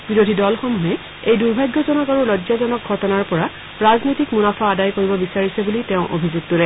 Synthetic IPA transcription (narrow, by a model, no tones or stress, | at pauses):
biɹodʱidɔlxɔmuɦɛ | ejduɹbʱajɡjɔzɔnɔkaɹuɹɔzazɔnɔk̚ɡʱɔtɔnaɹpɔɹa | ɹaznojtikmunapʰɔːdajkoɹibɔbisaɹisɛbulitɛʊ̃ʔobʱizuɡ̚tɔɹɛ